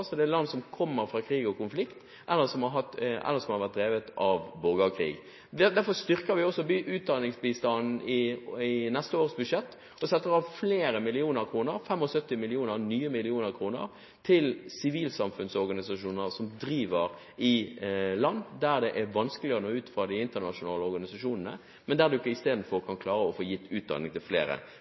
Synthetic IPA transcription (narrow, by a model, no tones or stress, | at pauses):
sɔd̪ɛælɑnːsɔmkʰɔmːəɾfʁɑːkʰɾiːɡɔkʊnflɪkt̪ | ʔɛlːəsɔmɑɦɑt̪ɛ̰lːəɾsɔmhɑɾʋæt̚d̪ɾeːʋət̪ɑʋbɔɡɑkʰɾḭːɡ | d̪æɾfɔst̪ʏʁkəɾʋɪɔsɔbyːʔʉːt̪̚d̪ɑnɪŋsbiːst̪ɑnn̩ɪɪnɛst̪əoːɾəsbʉʂɛt̪ː | ɔsɛt̪ːəɾɑʋfleːɾəmɪlɪuːnəɾkʰɾuːnəɾfɛmɔsœt̪ːɪmɪlɪuːnəɾnyːəmɪlɪuːnəɾkʰɾuːnə̰ɾ | t̪ʰɪlsɪʋiːlsɑmfʉnsɔɾɡɑnɪsɑʃuːnəɾsɔmd̪ɾiːʋəɾ | ɪlɑnːd̪æɾd̪ɛʔæɾʋɑnskəlɪəɾənoːʉːt̪fɾɑːd̪ɪɪnt̪ənɑʃʊnɑːləɔɾɡɑnɪsɑʂuːnənə̰ | mɛnd̪æːʁd̪ʉɪkːəɪst̪eːd̪n̩fɔɾkʰɑnkʰlɑːɾəɔfoːjɪt̪ːʉːt̪̚d̪ɑ̰nɪŋt̪ʰɪlflḛːɾə̰